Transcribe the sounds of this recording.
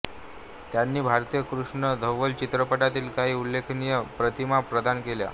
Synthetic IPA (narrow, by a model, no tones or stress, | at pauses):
t̪janːiːbʱaɾt̪ijəkɾuʂɳəd̪ʱəʋːəlt͡ɕit̪ɾəpəʈat̪iːlkaɦiːulːekʰnijəpɾət̪imapɾəd̪ankelja̰